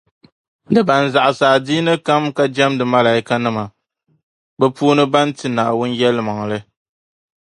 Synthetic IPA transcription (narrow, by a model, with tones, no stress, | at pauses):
dɨ˨ba˨n̩˨za˨ʔa˨saː˨di˦nɨ˦ka˦mka˦d͡ʒɛ˦mdɨ˨ma˦la˨i˦ka˦nɨ˦ma˨ | bɛ˦puː˦nɨ˦ba˦n˦tɨ˨na˨wʊ˦njɛ˦lɨ˦ma˨ŋ˨lɨ˦